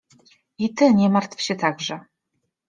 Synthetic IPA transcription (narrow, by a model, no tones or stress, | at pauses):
it̪ɘɲɛmaɾt̪fɕɛt̪ʰaɡʐɛ